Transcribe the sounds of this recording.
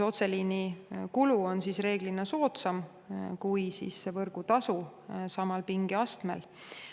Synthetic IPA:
o̞t̪selinikuluo̞nsisre̞ːɡ̥linːɑso̞ːt̪sɑm | kujsḭːsːevɤrɡ̥ut̪ɑsu | sɑmɑlpiŋɡiɑst̪mḛl

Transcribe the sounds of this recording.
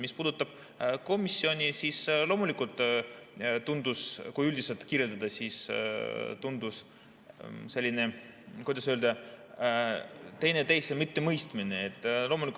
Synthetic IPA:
mispuːd̪ut̪ːˑɑb̥̚ | ko̞misːio̞nʲisisloːmulikult̪ˑ | t̪und̪uskujylʲd̪iselt̪kiːrʲje̞ld̪ɑd̪ɑsis | t̪und̪̥us | se̞lʲːine̞ | kujd̪ɑsøld̪ɑ | t̪e̞jne̞t̪e̞jsemit̪ːe̞mɤjst̪mineet̪ːˑlo̞ːmulikˑ

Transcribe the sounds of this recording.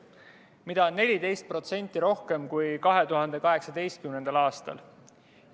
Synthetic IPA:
mid̪ɑnːe̞lʲid̪e̞jst̪̚pro̞t̪se̞nʲt̪ːˑiɾo̞hke̞mkujkɑɦe̞t̪uɦɑnd̪̥e̞kɑɦe̞ksɑd̪e̞jst̪̚kymnend̪̥ɑlɑːst̪ɑ̰l

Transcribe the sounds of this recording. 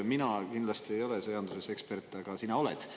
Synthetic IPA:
minɑkind̪lɑst̪iejo̞lesɤjɑnd̪̥usese̞kspe̞rt̪ːˑɑɡ̥ɑsinɑo̞lḛd̪̥

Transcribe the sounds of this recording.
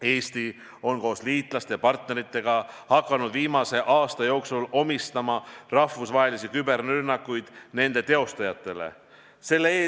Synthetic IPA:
e̞ːst̪i | o̞nko̞ːsliːt̪ˑlɑst̪e̞jpɑrt̪ne̞ɾit̪ːˑe̞ɡ̥ɑhɑkːˑɑnud̪viːmɑse̞ʔɑːst̪ɑjo̞ːksulo̞mist̪ɑmɑrɑhvusvɑɦe̞lisikybe̞rnynːɑkːˑujd̪̥ne̞nd̪̥e̞t̪e̞o̞st̪ɑjɑt̪ːˑe̞le̞̰ | se̞lːeeː

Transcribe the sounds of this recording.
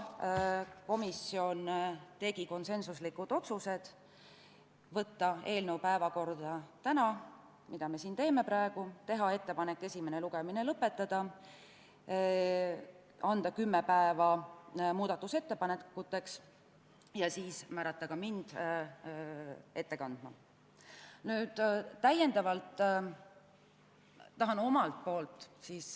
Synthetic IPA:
ko̞misio̞nt̪e̞ɡ̥iko̞nse̞nsuslikːud̪̥o̞t̪suse̞d̪̥ | vɤ̞t̪ːɑe̞ːlnewpæevɑko̞rd̪̥ɑt̪ænɑ | mid̪̥ɑme̞siːnt̪e̞ːme̞pɾɑeɡ̥ut̪e̞ɦɑe̞t̪ːe̞pɑne̞kːe̞sʲime̞neluɡ̥emine̞lɤpːe̞t̪ːˑɑd̪̥ɑ | ɑnd̪̥ɑkymːepæevɑmuːd̪̥ɑt̪ːˑuse̞t̪ːe̞pɑnekːut̪ːˑe̞ks | jɑsiːsmæːɾɑt̪ːˑɑɡ̥ɑmind̪̥ | e̞t̪ːe̞kɑnd̪̥mɑ | nyːd̪̥t̪æje̞nd̪ɑvɑlt̪ː | t̪ːɑɦɑno̞mɑlt̪̚po̞ːlt̪ˑsiːs

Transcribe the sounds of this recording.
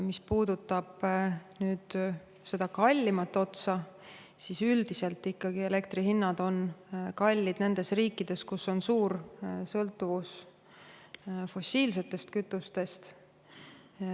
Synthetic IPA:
mispuːd̪̥ut̪ːˑɑb̥nyːd̪̥ | se̞d̪̥ɑkɑlʲːimɑt̪ːˑo̞t̪sɑ | sisyld̪̥ise̞lt̪ːˑikːɑɡ̥ie̞le̞kt̪riɦinːɑd̪o̞nkɑlʲːid̪̥ne̞nd̪̥e̞sriːkːˑid̪̥e̞skusːo̞nsuːɾsɤlt̪ːˑuvus | fo̞siːlse̞t̪ːe̞st̪kyt̪ːˑust̪e̞st̪

